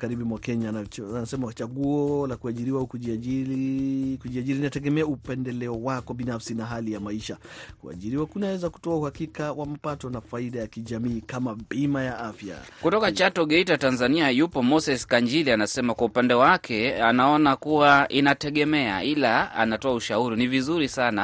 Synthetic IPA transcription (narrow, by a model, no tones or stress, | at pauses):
kaɾiɓimwakɛɲaanasɛmat͡ʃaɠuɔlakuaʄiɾiwaukuʄiailikuʄiaʄiɾinatɛɠɛmɛaupɛndɛlɛɔwakɔɓinafsinaɦalijamaiʃakua̰ʄiɾiwakunawɛzaku̥tɔauhakikawamapatɔnafaiɗajakiʄamiːkamabimajaʔafja̰kutɔkat͡ʃatɔɠɛitatanzaniajupɔmɔsɛskaɲd͡ʒilianasɛmakwaupandɛwakʰɛanaɔnakuwaʔinatɛɠɛmɛa̰ilaa̰natɔauʃauɾinivizuɾisana